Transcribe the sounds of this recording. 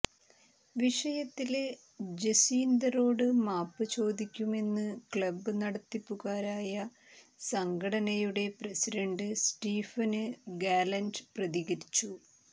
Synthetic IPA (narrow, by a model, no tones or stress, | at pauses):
ʋiʂɐjɐt̪ːile | d͡ʑesiːnd̪ɐɾo̞ːɽɨmaːpːɨt͡ɕo̞ːd̪ikʲːume̞nːɨkɭɐbɨnɐɽɐt̪ːipːuɣaːɾaːjɐ | sɐŋɡʱɐɽɐnɐjuɽe̞prɐsiɖɐɳɖɨsʈiːfɐnɨɡaːlɐnɖprɐðiɣɐɾit͡ɕːu